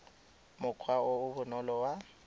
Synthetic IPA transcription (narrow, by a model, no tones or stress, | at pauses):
mʊkʰwaoʊβʊnɔlɔwa